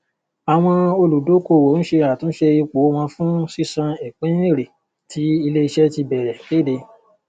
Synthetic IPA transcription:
a˨w̃ɔ̃˧o˧lu˨do˨˦ko˦˨wo˨˦n̩˦ʃe˧a˨tũ˦ʃe˧i˧ko˨o˦w̃ɔ̃˧fũ˦si˦sã˧e˨k͡pẽ˨˦ẽ˦˨ɾe˨ | tʰi˨˦i˧le˦i˧ʃɛ˦ti˧bɛ˨ɾɛ˨ke˦˨de˧

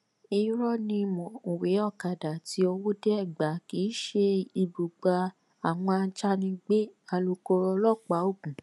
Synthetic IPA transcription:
i˦ɾɔ˦nĩ˧mɔ̃˨o˨we˨˦ɔ˦˨ka˨da˨ti˨˦o˧wo˦dɛ˦ɛ˦˨ɡ͡ba˨˦ki˨˦ʃe˦˧i˧bu˨ɡ͡ba˧ | a˨w̃ɔ̃˧a˧˦t͡ʃa˦nĩ˧ɡ͡be˦a˧lo˧ko˧ɾɔ˧lɔ˦˨k͡pa˨˦o˦˨kũ˨

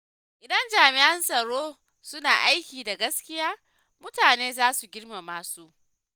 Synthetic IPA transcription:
ʔɪ˨dɐ˦nd͡ʒaː˨mɪ˨ʔɐ˦nsɐ˨ɽoː˦ | sʊ˦naː˨ʔa˦jkʲiː˨da˨ɡɐ˦skʲɪ˦jaː˦ | mʊ˦taː˨neː˦zaː˦su˨ɡʲɪ˦rma˨maː˦su˦ʔ

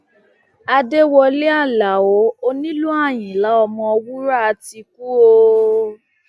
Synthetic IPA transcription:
a˧de˦wɔ˧le˦a˦˨la˨o˨˦o˦nĩ˦lũ˦a˦˨j̃ĩ˨la˨˦ɔ˧mɔ̃˧ɔ˧wu˦ɾa˦a˧ti˧ku˦o˧

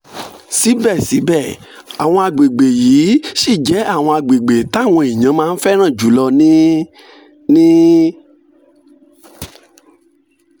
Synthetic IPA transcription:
si˨˦bɛ˦˨si˨˦bɛ˦˨ | a˨w̃ɔ̃˧a˧ɡ͡be˨ɡ͡be˨jiː˨˦ʃi˦˨d͡ʒɛ˨˦a˦˨w̃ɔ̃˧a˧ɡ͡be˨ɡ͡be˨ta˦˨w̃ɔ̃˧i˨ɲ̃ã˨˦mãː˦˧n̩˦fɛ˦ɾ̃ã˦˨d͡ʒu˨˦lɔ˧nĩ˦ | nĩ˦

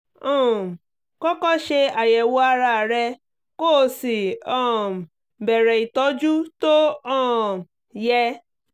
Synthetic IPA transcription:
ɔ̃˦˨ | kɔ˦kɔ˦ʃe˧a˨jɛ˨wo˦a˧ɾa˧˨ɾɛ˧ | ko˦˨˦si˨ɔ̃˦˨ | bɛ˨ɾɛ˨i˨tɔ˨˦d͡ʒu˦to˦ɔ̃˦˨ | jɛ˧

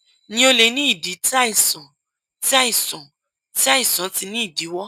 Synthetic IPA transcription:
nĩ˧o˧le˨˧˦nĩ˦i˦˨di˨˦ti˦a˦i˦˨sɔ̃˨ | ti˦a˦i˦˨sɔ̃˨ | ti˦a˦i˦˨sɔ̃˨˦ti˧nĩ˦i˦˨di˨˦wɔ˦

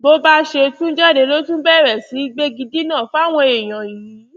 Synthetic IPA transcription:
bo˦ba˦ʃe˧tũ˦d͡ʒɛ˦˨de˨˧˦lo˦tũ˦bɛ˦˨ɾɛ˨si˨˦ɡ͡be˦ɡi˧di˦nãː˦˨fa˦˨w̃ɔ̃˧e˨j̃ã˨jĩ˨˦˨

